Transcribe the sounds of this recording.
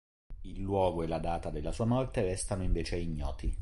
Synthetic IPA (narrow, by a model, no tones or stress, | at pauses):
ilːwɔːɡoelad̪aːt̪ad̪elːasuːamɔrt̪eɾɛst̪anoiɱveːt͡ʃeaiɲːɔ̰ːt̪i